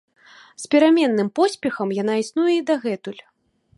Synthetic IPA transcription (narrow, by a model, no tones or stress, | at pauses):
spʲɛɾamʲɛnːɨmpɔsʲpʲɛxɐmjan̪aisnujɛid̪aɣɛt̪ulʲ